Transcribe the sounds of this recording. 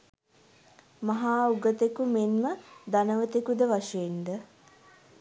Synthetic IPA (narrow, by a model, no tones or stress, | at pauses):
maɦaːuɡət̪ekumenməd̪anəʋət̪ekud̪əʋaʂɐjend̪ə